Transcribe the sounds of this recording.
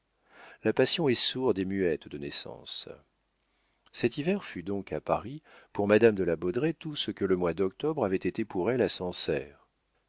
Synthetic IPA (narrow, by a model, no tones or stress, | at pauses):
lapasjɔ̃ɛsuʁd̪emyɛt̪d̪ənɛsɑ̰̃s | sɛt̪ivɛʁfyd̪ɔ̃kʰapaʁipuʁmad̪amd̪əlabɔd̪ʁet̪usəkələmwad̪ɔk̚t̪ɔbʁavɛt̪et̪epuʁɛlasɑ̃sɛ̰ːʁ